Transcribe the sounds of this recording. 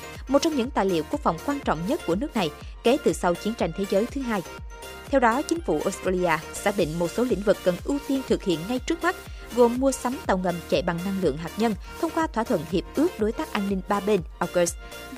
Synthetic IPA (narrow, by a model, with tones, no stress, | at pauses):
mo˨˩t̚t͡ɕwŋ͡mɲɨ̰˧˥ŋt̪a̰ː˧˨jlḭ˧˨əwku˦˥ək̚fa̰˨˩wŋ͡mkwaː˧nt͡ɕɔ̰˧˨wŋ͡mɲə˦˥t̚ku˧˩ənɨ˦˥ək̚na˨˩j | ke˨˦t̪ɨ˨˩sa˧wt͡ɕi˨˦ənt͡ɕa˧˩jŋ̟t̪ʰe˨˦zəː˨˦jt̪ʰɨ˨˦ɦaː˧j | t̪ʰɛ˧wɗɔ˨˦t͡ɕï˨˦ŋ̟fṵ˧˩ʔo˨˦˥st̪ɾaː˧li˧ʔaː˧saː˧˥k̚ɗḭ˧˨ŋ̟mo˨˩t̚so˨˦lḭ̈˧˥ŋ̟vɨ˨˩kːə˨˩nʔɨ˧wt̪i˧ənt̪ʰɨ˨˩k̚hḭ˧˨ənŋa˧jt͡ɕɨ˦˥ək̚ma˦˥t̚ | ɣo˨˩mːu˧əsa˨˦mt̪a˨˩wŋə˨˩mt͡ɕɛ̰˧˨ɓa˨˩ŋna˧ŋlɨ̰˧˨əŋɦaː˨˩k̚ɲə˧n | t̪ʰə˧wŋ͡mkwaː˧t̪ʰwaː˧˩t̪ʰwə̰˧˨nɦi˨˩əp̚ʔɨ˦˥ək̚ɗo˨˦jt̪aː˦˥k̚ʔaː˧nːï˧ŋ̟ɓaː˧ɓe˧nʔa˧ɡo˨˦˥st